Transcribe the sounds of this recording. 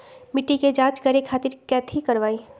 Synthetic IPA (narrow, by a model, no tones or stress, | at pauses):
mɪʈːiked͡ʒãːt͡ʃɡɐɾekʰaːt̪ɪɾkɛːt̪ʰikɐɾʋaːi